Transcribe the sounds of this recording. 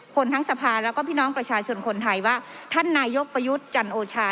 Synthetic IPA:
kʰo˧nt̪ʰa˦˥ŋsa˧pʰaː˧lɛː˦˥wkɔː˥˩pʰiː˥˩nɔː˦˥ŋpɾa˧t͡ɕʰaː˧t͡ɕʰo˧nkʰo˧nt̪ʰa˧jwaː˥˩t̪ʰa˥˩nːaː˧jːo˦˥k̚pɾa˧ju˦˥t̪̚t͡ɕa˧nʔoː˧t͡ɕʰaː˧

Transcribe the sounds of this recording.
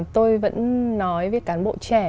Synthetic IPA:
t̪o˧jvə̰˧˥nːɔ˨˦jvəː˨˦jkaː˨˦nɓo̰˧˨t͡ɕɛ˧˩

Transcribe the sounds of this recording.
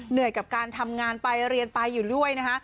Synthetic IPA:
nɯ˨˩əjka˨˩p̚kaː˧nt̪ʰa˧mŋaː˧npa˧jɾi˧ənpa˧jːuː˨˩du˥˩əjna˦˥kʰa˦˥

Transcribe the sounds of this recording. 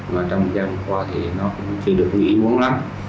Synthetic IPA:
aː˨˩t͡ɕɔ˧ŋ͡mm̚˨˩zaː˧mə˨˩kwaː˧t̪ʰi˨˩nɔ˨˦kʊ̰˧ŋ͡mt͡ɕəː˧˩ɗɨ˨˩ək̚vḭ˧˦ʔi˧˦mu˨˦əŋla˨˦m

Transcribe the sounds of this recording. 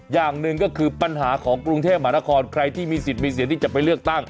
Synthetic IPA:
jaː˨˩ŋnɯ˨˧ŋkɔː˥˩kʰɯː˧pa˧nɦaː˩˦kʰɔː˩˦ŋkɾu˧ŋt̪ʰe˥˩p̚maː˧˩˦na˧˩kʰɔː˧nkʰɾa˧jt̪ʰiː˥˩miː˧si˨˩t̪̚miː˧s̬i˨˦nt̪ʰiː˥˩t͡ɕa˨˩pa˧jlɯ˥˩ək̚t̪a˥˩ŋ

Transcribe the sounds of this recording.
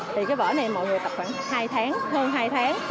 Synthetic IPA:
t̪ʰi˨˩kaː˨˦jvə̰ː˧˩na˨˩jmɔ̰˧˨jŋɨ˨˩ət̪p̚xwaː˧˥˩ŋhaː˧jt̪ʰaː˨˦ŋhəː˧nɦaː˧jt̪ʰaː˨˦ŋ

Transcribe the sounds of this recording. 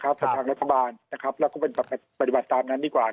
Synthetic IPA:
kʰɾa˦˥p̚sa˧˩aː˧ŋɾa˦˥t̪ʰːa˧baː˧nna˦˥kʰa˦˥p̚lɛː˦˥wkɔ˥˩pe˧nbaː˨˩pːa˧pːa˧˩t̪i˨˩ba˨˩t̪ːaː˧mnaː˦˥ndiː˧˩kwaː˨˩

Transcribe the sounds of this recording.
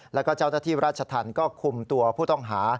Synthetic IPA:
lɛː˦˥wkɔː˥˩t͡ɕaː˥˩wnaː˥˩t̪ʰiː˥˩ɾaː˥˩t̪̚ʰa˧t̪ʰaː˧nkɔː˥˩kʰu˧mt̪u˧ɐpʰuː˥˩t̪ɔ˥˩ŋɦaː˩˦

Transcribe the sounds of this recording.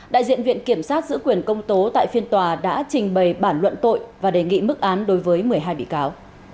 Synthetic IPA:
ɗa̰ː˧˨jzḭ˧˨ənvḭ˧˨ənki˧˩əmsaː˦˥t̚zɨ̰˧˥kwi˨˩ənkə˧wŋ͡mt̪o˨˦t̪a̰ː˧˨jfi˧ənt̪waː˨˩ɗa̰ː˧˥t͡ɕï˨˩ŋ̟ɓə˨˩jɓaː˧˩nlwə̰˧˨nt̪o̰˧˨jvaː˨˩ɗe˨˩ŋḭ˧˨mɨ˦˥k̚ʔaː˨˦nɗo˨˦jvəː˨˦jmɨ˨˩əjɦaː˧jɓḭ˧˨kaː˨˦w

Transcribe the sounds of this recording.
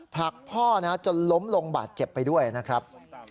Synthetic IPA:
pʰla˨˩k̚pʰɔː˥˩na˦˥t͡ɕo˧nlo˦˥mlo˧ŋba̰ː˨˩t̪̚t͡ɕe˨˩pːa˧jdu˥˩əjna˦˥kʰɾa˦˥p̚

